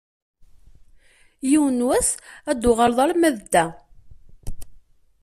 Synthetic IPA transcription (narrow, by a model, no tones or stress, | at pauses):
jiwənwæθæd̪ːʊʁalðˤɑɾmæðd̪ːæ